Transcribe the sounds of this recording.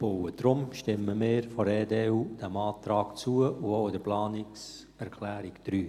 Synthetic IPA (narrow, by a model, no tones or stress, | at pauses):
b̥owəd̥ɾʊmʃtɪməmɪːɾfɔɾeːdeːuːd̥æmɑːtɾɑːkt͡suəʊoʊɪdəɾplɑːnɪks | ɛɾkʰlæːɾɪkd̥ɾyː